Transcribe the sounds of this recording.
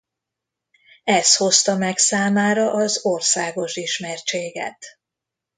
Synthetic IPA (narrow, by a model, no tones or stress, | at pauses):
ɛst̪ho̞st̪ɒmɛksaːmaːɾɒʔɒzo̞rsaːɡo̞ʃiʃmɛrt͡ʃeːɡɛ̰t̪